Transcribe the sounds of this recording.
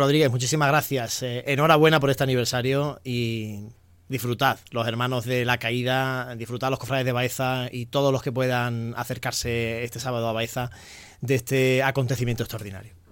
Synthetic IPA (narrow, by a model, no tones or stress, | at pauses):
ro̞ðɾiɣe̞ɦmut͡ʃisimazɣɾaθjaseno̞ɾaβwe̞nap̬o̞ɾe̞st̪eaniβ̞e̞ɾsaɾjo̞i | d̪ifɾut̪aðlo̞se̞ɾmãnozðe̞lakaiðad̪ifɾut̪aðlo̞ko̞fɾale̞zðe̞βae̞θait̪o̞ð̞o̞zlo̞ske̞p̬we̞ðaŋa̰θe̞ɾkaɾse̞est̪e̞saβað̞oaβae̞θa | d̪e̞st̪e̞ako̞nt̪e̞θimjent̪ost̪ɾaoɾðina̰ɾjo